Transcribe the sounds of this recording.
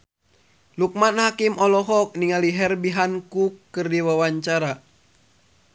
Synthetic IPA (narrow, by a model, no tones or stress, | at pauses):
luk̚manhakimʔɔlɔɦɔk̚niŋaliɦɛrbiɦankukːɨrdiwawaɲt͡ʃaɾa